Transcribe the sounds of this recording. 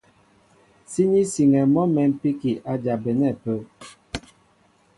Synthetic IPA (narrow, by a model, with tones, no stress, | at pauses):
si˦ɲi˦si˨ŋɛ˨mɔ˦mɛ˨m̩˦pi˦ki˨ʔa˦d͡ʒa˨bɛ˨nɛ˦˨pə˦